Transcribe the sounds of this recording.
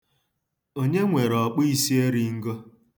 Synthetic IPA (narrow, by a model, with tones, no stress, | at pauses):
o˦ɲe˦ŋʷe˨ɾɔ˨k͡pi˦i˦si˦e˦ɾi˦ŋ̩˦ɡo˦